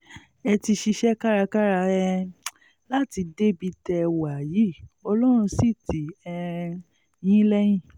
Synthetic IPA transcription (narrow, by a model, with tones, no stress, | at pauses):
ɛ˧ti˧ʃi˧ʃɛ˦ka˦ɾa˧ka˦ɾa˧ɛ˧ | la˦ti˧de˦bi˧tɛ˧wa˨ji˨˦˨ɔ˧lɔ˦ɾ̃ũ˧si˦˨ti˨ɛ˧ | j̃ĩ˦lɛ˦j̃ĩ˦˨